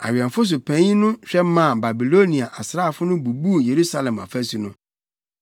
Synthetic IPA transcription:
a̰˨ɥɛ̃˨ɱ˨fʊ˦s̬ʊ˨pʰæ̃˨˦ɲĩ˦nʊ̃˦ɕᶣɛ˦mã˦˨ba˨bi˨lo˦nĩ˨a˨ʔa˨sɾa˦˨fʊ˦nʊ̃˦bu˨bu˦˨je˨ɾu˦sa˦lɛ̃˨ma̰˨fæ˦su˨nʊ̃˦

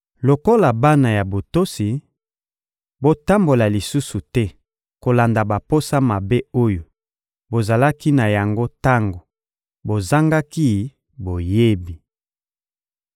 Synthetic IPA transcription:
lo˨ko˦la˨ba˦na˨ja˨bo˨to˦si˨ | bo˦ta˦mbo˨la˨li˨su˦su˨tɛ˦ | ko˨la˨nda˨ba˨po˦sa˦ma˨be˦o˦jo˨ | bo˨za˨la˦ki˦na˨ja˨ŋɡo˦ta˦ŋɡo˨ | bo˨za˦ŋɡa˦ki˦ | bo˨je˦bi˨

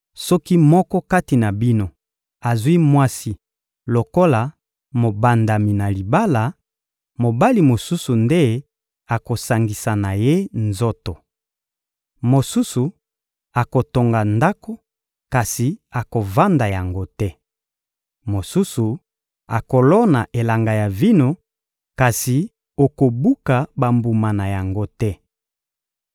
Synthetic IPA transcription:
sɔ˦ki˦mɔ˦kɔ˦ka˦ti˨na˨bi˦no˦ | a˨zwi˦mwa˦si˦ | lo˨ko˦la˨ | mo˨ba˨nda˨mi˨na˨li˨ba˦la˨ | mo˨ba˦li˨mo˨su˦su˨nde˦ | a˨ko˨sa˨ŋɡi˨sa˨na˨je˦nzo˦to˨ | mo˨su˦su˨ | a˨ko˨to˨ŋɡa˨nda˦ko˦ | ka˨si˨a˨ko˨va˦nda˨ja˨ŋɡo˦tɛ˦ | mo˨su˦su˨ | a˨ko˨lɔ˦na˨ʔe˨la˨ŋɡa˨ja˨vi˦no˦ | ka˨si˨ | o˨ko˨bu˦ka˨ba˨mbu˨ma˨na˨ja˨ŋɡo˦tɛ˦

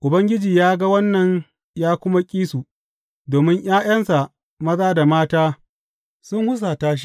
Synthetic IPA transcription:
ʔʊ˨bɐ˦ŋɡʲɪ˦d͡ʒiː˨jaː˦ɡa˦wɐ˦nːɐ˨ɲ | jaː˦kʷʊ˦ma˦kʲʼiː˦su˨ | doː˨mɪ˦ɲʔj̰aː˦j̰ɐ˦nsa˨ | mɐ˦zaː˦da˨maː˦taː˦ | sʊ˦ŋhʊ˦s̬a˨taː˦ʃ̬i̥˦

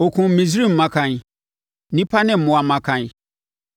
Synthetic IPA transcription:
o˨kʰũ˨m̩˨˦mĩ˨s̬ɾi˦m̩˨mã˦kʰã˨n˨ | nĩ˦pʰa˦nɪ̃˦m̩˨mʊ̃˨a˨mã˦kʰã˨n˨

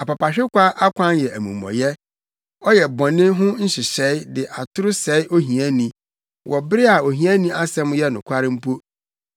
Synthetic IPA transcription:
a˨pa˨pa˨ɕᶣɪ˦kʷʰa˦ʔa˦kʷʰã˦njɛ˨æ˨mṵ̃˨mːɔ̰˨jɛ˦ | ɔ˦jɛ˨bɔ̃˨nɪ̃˦ɦʊ̃˦n̩˦ɕɪ˨ɕɛ˨˦dɪ˨ʔa˨tʰʊ˦ɾʊ˦sɛ˨˦i˦ʔo˦ɦĩ˨æ˦nĩ˨ | wʔɔ˨bɪ˦ɾɪ˦a˨o˨ɦĩ˨æ˦nĩ˦a˦sɛ̃˦m˦jɛ˦nʊ̃˨kʷʰa˦ɾɪ˦m̩˦pʰo˦

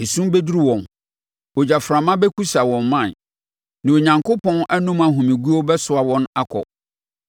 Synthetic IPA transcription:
ɪ˨sũ˦m˦be˦du˦ɾi˦wɔ̃˨n | wo˨d͡ʑa˨fɾã˨mã˦bɛ˦ku˦sa˨wɔ̃˨mːã˦˨n | nã˨o˨ɲã˨ŋkʰo˦pɔ̃˦na˦nũ˦ma˨ɦũ˨mĩ˨ɡu˦o˦bɛ˦sʊ˨a˨wɔ̃˦na˦kʰɔ̰˨

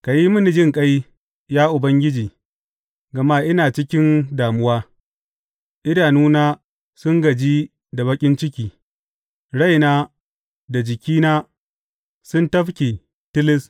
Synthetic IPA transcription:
ka˨ji˦mʊ˦ni˨d͡ʒɪ˦ŋkʼa˦j | jaː˦ʔʊ˨bɐ˦ŋɡʲɪ˦d͡ʒiː˨ | ɡɐ˨ma˦ʔɪ˦naː˨t͡ʃɪ˦kʲɪ˦ndaː˨mʊ˦waː˦ | ʔɪ˦daː˨nuː˦naː˦ | sʊ˦ŋɡɐ˨d͡ʒiː˦ | da˨bɐ˦kʲʼɪ˦nt͡ʃɪ˦kʲiː˨ | ɽa˦jnaː˦ | da˨d͡ʒɪ˨kʲiː˦naː˦ | sʊ˦ntɐ˦ɸkʲeː˨ | tɪ˦lɪ˦s

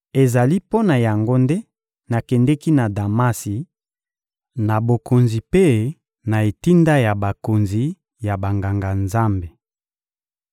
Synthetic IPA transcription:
e˨za˨li˦po˦na˨ja˨ŋɡo˦nde˦ | na˨kɛ˨ndɛ˦ki˦na˨da˨ma˦si˨ | na˨bo˨ko˨nzi˨pe˦ | na˨e˨ti˦nda˦ja˨ba˨ko˨nzi˨ | ja˨ba˨ŋɡa˨ŋɡa˨nza˦mbe˨

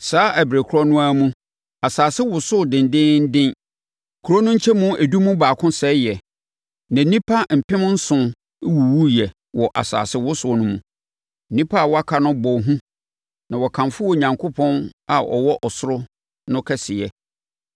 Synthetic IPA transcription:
saː˨˦ʔæ˨bɾe˨kʰɔ˦nʊ̃˦a˦mũ˦ | a˨saː˨sɪ˦wʊ˨sʊ˦˨dɪ̃˨n˨dɪ̃˦n̩˦dɪ̃˦n | kʰu˨ɾɔ˦nʊ̃˦ɲ̩˦t͡ɕʰɛ˦mʊ̃˦ʔæ˨du˦mũ˦baː˨kʰʊ̃˦sɛ˨˦jɛ˨ | nã˨˦nĩ˦pʰa˦m̩˨pʰɪ̃˦m˦n̩˦sʊ̃˨˦ | wu˨wu˦jɛ˨ | wɔ˨ʔa̰˨sa̰ː˨sɪ˦wʊ˦sʊ˦˨nʊ̃˦mũ˨ | nĩ˦pʰa˦a˨wɔ˦a˦kʰa˨nʊ̃˦bɔ˨ɦũ˦ | nã˨wɔ˨kʰã˨mfʊ˦wɔ˨ɲã˨ŋkʰʊ˦pʰɔ̃˦na˨ʔɔ̰˨wɔ˦ʔɔ˨sʊ˦ɾʊ˦ | nʊ̃˦kʰɛ˦sɪ˨ɛ˨

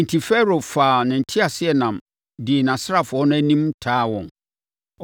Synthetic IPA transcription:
n̩˨tʰi˨fɛ˦ɾo˨faː˨nã˨n̩˨tʰi˦a˨sɪ˦ɛ˨nã˨m | dɪ˨e˨nã˨sa˦˨fʊ˨ɔ˦nʊ̃˦æ˦nĩ˦mtʰaː˦wɔ̃˨n

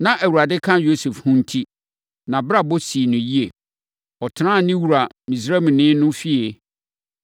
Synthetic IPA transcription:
nã˨ʔæ˨wu˨ɾa˨dɪ˦kʰã˦jo˦sɛ˨fhʊ̃˦n̩˦tʰi˦ | nã˨bɾa˦˨bo˦si˨nʊ̃˨ji˦e˨ | ɔ˨tʰɪ˨nã˦˨nɪ̃˦wu˨ɾa˨ | mĩ˨s̬ɾɛ˦˨mĩ˨nɪ̃˦nʊ̃˦fi˦e˨

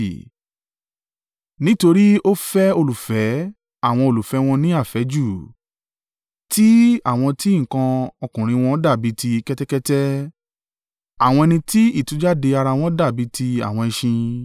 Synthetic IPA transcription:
nĩ˦to˧ɾi˦o˦fɛ˦o˧lu˨fɛ˨˦ | a˦˨w̃ɔ̃˧o˧lu˨fɛ˨˦w̃ɔ̃˧nĩ˦a˦˨fɛ˨˦d͡ʒu˦˨ | ti˦a̰˦˨w̃ɔ̃˧ti˦i˦˨kã˧ɔ˧kũ˨ɾ̃ĩ˧w̃ɔ̃˧˦da˦˨bi˨˦ti˧kɛ˦tɛ˦kɛ˦tɛ˦ | a˦˨w̃ɔ̃˧ɛ˧nĩ˧ti˦i˦˨tũ˨˦d͡ʒa˦de˧a˧ɾa˧w̃ɔ̃˦da˦˨bi˨˦tʰi˧a̰˨w̃ɔ̃˧ɛ˧ʃĩ˧

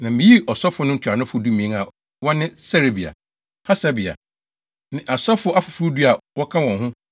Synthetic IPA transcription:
nã˨mɪ̃˨ji˦ʔɔ˨sɔ˦fʊ˨˦nʊ̃˦ɲ̩˦t͡ɕʰᶣa˨nʊ̃˦fʊ˦du˦mĩ˨ẽ˦ŋa˨ | wɔ̃˦nɪ̃˦sɛ˦ɾe˨bi˨a̰˨ | ha˦sa˦bi˨a̰˨ | nɪ̃˦˨ʔa˨sɔ˦fʊ˦a˦fʊ˨fu˦ɾu˦du˦a˨wɔ˦kʰã˦wɔ̃˨nɦʊ̃˦

